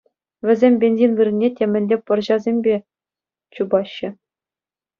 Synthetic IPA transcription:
ʋʲɘ̆zʲemʲbʲenʲzʲinʋɯrɘ̆nʲːetʲemʲɘ̆nʲlʲepɤ̆rʑɑzʲemʲbʲe | t͡ɕubɑɕːɘ̆

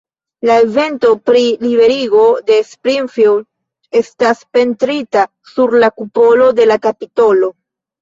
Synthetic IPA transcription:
lae̞ve̞nto̞pɾilibe̞ɾiɡo̞de̞spɾinfild | e̞staspe̞ntɾita | suɾlakupo̞lo̞de̞lakapito̞lo̞

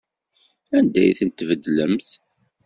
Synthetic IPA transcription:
ænd̪æ̰jθənt̪ːvəd̪ləmθ

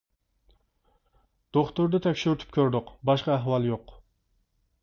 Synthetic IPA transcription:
d̪̥oχt̪ʊɾd̪ɛt̪ʰɛkʲʃyɾyt̪ʰy̥p̚kʲʰøɾd̪ʊqbɑʃqɑæɦwɑlˠjoq

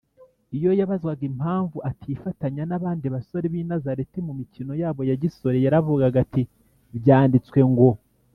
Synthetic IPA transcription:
ijo̞jaβazɡwaɡimhaːɱvuʔatʰifataɲanaβaːndiβaso̞ɾeβiːnazaɾetimumicino̞jaːβo̞jaɟiso̞ɾejaɾavuɡaɡati | βɟaːndit͡swe̞ŋɡo̞

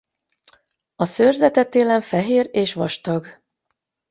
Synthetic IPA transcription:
ɒsørzɛt̪ɛt̪eːlɛɱfɛɦeːreːʃʋɒʃt̪ɒɡ

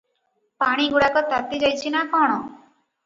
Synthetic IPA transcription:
paɽ̃iɡuɽakɔt̪at̪id͡ʒajt͡ʃʰinakɔɽ̃ɔ

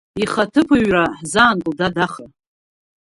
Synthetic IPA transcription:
iχatʰɨpʰɨɥraħzaːnɡɨldadaχa

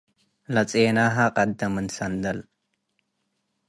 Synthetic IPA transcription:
lɐt͡sʼeːnaɦaqʼɐd̪ːɐmənsɐnd̪ɐl

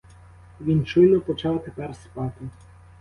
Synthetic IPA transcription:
ʋʲint͡ʃujnɔpɔt͡ʃɑwt̪epɛrspɑt̪ɪ

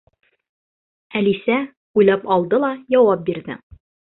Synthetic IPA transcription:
ælisæ | ujlˠɑpɒlˠd̪ɤlˠɑjɒwɑp̚biɾðɘ̰

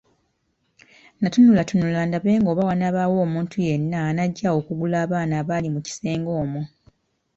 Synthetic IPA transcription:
natunulatunulaːndaβe̞ːŋɡo̞ːβawanaβawo̞ːmuːntʰuje̞nːanaɟːaokuɡulaːβaːnaːβalimuci̥se̞ːŋɡo̞ːmu

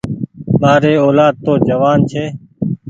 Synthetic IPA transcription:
maːɾeːoːlaːd̪̚t̪oːd͡ʒəʋaːnt͡ʃʰeː

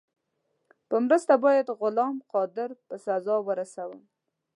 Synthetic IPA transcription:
pəmɾəst̪abɑjad̪ɣʊlɑmqɑd̪ɪɾpəsazɑwəɾasawəm

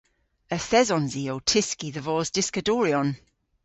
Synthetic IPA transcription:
əθɛzɔnziowtʰɪskiðəvɔːzdɪskəduːɹiɔn

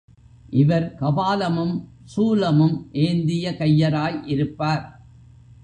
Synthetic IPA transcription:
ʔɪʋɐɾkɐbaːlɐmɯm | suːlɐmɯmʔeːnd̪ɪjɐkɐjːɐɾaːjʔɪɾɯpːaːɾ

